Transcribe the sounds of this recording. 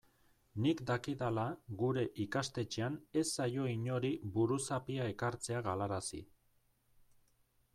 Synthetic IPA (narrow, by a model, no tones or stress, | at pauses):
nikd̪akiðalaɣuɾe̞ʔikast̪e̞t͡ʃe̞ane̞sːajo̞iɲo̞ɾibuɾusapiae̞kaɾt͡se̞aɣalaɾasḭ